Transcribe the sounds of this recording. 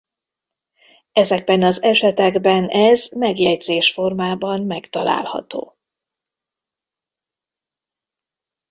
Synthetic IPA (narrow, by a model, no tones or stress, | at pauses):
ɛzɛɡ̚bɛnɒzɛʃɛt̪ɛɡbɛnɛzmɛɡjɛjd̪z̥eːʃfo̞rmaːbɒmmɛkt̪ɒla̰ːlhɒ̰t̪o̰ː